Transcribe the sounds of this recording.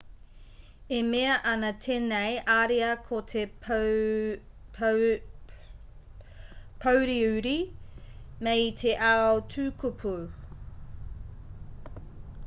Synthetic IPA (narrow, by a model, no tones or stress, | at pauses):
emeɐʔɐnɐtʰenejʔaɾeɐkʰot̪ʰe | pʰowɾiʉɾi | mejtʰeʔaowtʰʉːkupʰu